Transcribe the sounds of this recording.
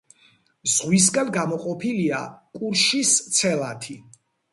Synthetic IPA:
zʁwis̬ɡanɡamɔqʼɔpʰiliakʼuɾʃist̪sʰɛlˠat̪ʰi

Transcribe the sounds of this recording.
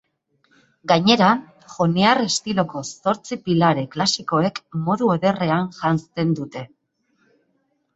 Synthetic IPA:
ɡaɲe̞ɾa | xo̞neare̞st̪ilo̞ko̞so̞ɾt͡sipilaɾe̞klasiko̞e̞kmo̞ðue̞ðe̞re̞anʝanst̪e̞nd̪ut̪e̞

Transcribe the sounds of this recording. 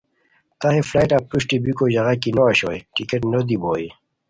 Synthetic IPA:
t̪aɦeflajʈapːuɕʈibikoʑaɣakinoaɕo̰jʈikeʈnod̪iboːi

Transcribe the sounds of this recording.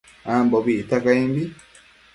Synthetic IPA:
ambɔβit̪akaimbi

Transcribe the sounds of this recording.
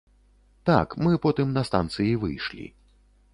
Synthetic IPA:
t̪a̰kmɨpɔt̪ɨmnɐst̪a̰nt̪sɨjivɨ̰jʂlʲḭ

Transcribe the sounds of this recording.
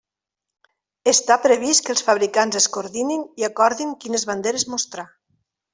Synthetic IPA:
est̪apɾeβiskəlˠsfaβ̞ɾikanzeskoɾðininiakɔɾðiŋkinezβand̪eɾezmost̪ɾa

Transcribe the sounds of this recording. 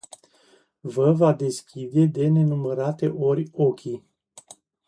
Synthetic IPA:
vəvad̪e̞skʲid̪e̞d̪e̞ne̞numəɾat̪e̞ʔo̞rʲokʲi

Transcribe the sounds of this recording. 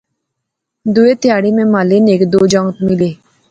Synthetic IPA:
d̪uet̪ɪjaːɽimẽmaleneːkd̪oːd͡ʒɔŋt̪mɪleː

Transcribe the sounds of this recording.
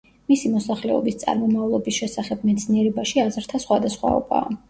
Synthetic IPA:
misimɔsaχlɛɔ̰bist̪sʼa̰ɾmɔmavlˠɔbisʃɛsaχɛb̚mɛt̪sʰniɛɾɛbaʃiazɾt̪ʰasχwad̪asχwa̰ɔ̰ba̰ː

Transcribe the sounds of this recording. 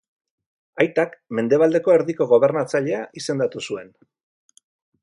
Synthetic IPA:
ajt̪akme̞nd̪e̞β̞ald̪e̞ko̞eɾðiko̞ɣ̞o̞β̞e̞ɾnat͡saʎe̞aʔise̞nd̪at̪usue̞n

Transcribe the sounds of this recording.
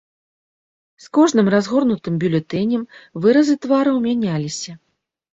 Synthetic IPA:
skɔʐnɨmrazɣɔrnut̪ɨmbʲulʲɛt̪ɛnʲɛmvɨɾɐzɨt̪vaɾɨwmʲanʲalʲisʲɐ

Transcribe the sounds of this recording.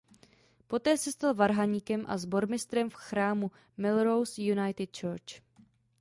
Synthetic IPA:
po̞t̪ɛːsɛst̪alvaɾɦaɲikɛmʔa̰zbo̞ɾmɪst̪ɾɛmfxɾaːmu | mɪlɾowsjunajt̪ɪt̪̚t͡ʃɛɾt͡ʃ

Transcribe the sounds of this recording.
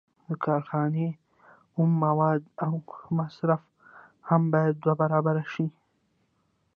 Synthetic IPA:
d̪əkʰɑːɾxɑne | umːawɑːd̪awmasɾaf | hambɑjad̪̚ːwabaɾɑbaɾaʃi

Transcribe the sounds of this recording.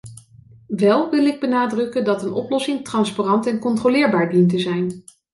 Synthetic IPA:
ʋɛlˠʋɪlˠɪɡ̚bənaːdrɵkəndɑtənʔɔ̰plɔsɪŋtrɑnsparɑntɛnkɔntrolɪːɹbaːɹdintəzɛjn

